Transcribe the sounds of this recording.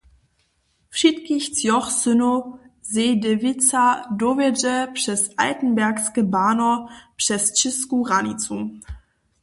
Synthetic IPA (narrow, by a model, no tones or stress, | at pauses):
fʃitkɪçt͡sjɔχsʏnozeːdevɪt͡sadovɛd͡ʒəpʃɛsʔa̰ɪtn̩bɛɐksɡ̥əbaːnopʃɛst͡ʃɪskuʁanit͡su